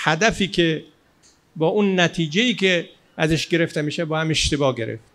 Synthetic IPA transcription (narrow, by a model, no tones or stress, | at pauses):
hæd̪æfiːkʰʲe | bɒːʔunːæt̪ʰiːd͡ʒeiːkʲʰe | æzeʃɡe̞ɾe̞ft̪emiːʃebɒːhæmeʃt̪ebɒːɡe̞ɾḛft̪